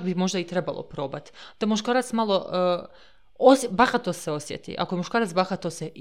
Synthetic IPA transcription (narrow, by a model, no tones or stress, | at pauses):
bimo̞ʒd̪ait̪ɾeba̰lˠo̰pɾo̞ːbat̪d̪̥amuʃkaːɾat̪smalˠo̞ | osbaxat̪ːoseo̞sjḛt̪ḭʔa̰kojemuʃkaːɾat̪baxat̪ːose